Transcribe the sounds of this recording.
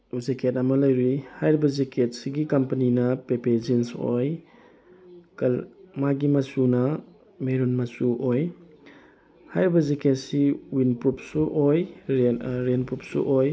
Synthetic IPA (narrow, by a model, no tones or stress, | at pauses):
uzekʰetamɐlɐjɾihajɾbɐzeket̚siɡikɐmpɐninɐpepezinso̰j | kalmaɡimasunɐ | meɾunmasuʔoj | hajɾbɐzeketsiwinpup̚suʔoj | ɾenpɾup̚sṵʔoj